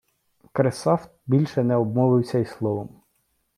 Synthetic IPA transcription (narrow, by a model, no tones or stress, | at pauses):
kɾesɑft̪̚bʲilʲʃɛnɛɔbmɔʋɪwsʲɐislˠɔʋɔm